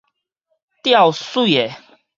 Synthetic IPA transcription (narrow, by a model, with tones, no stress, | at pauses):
t̪ja˥˨wsu˥˨e˨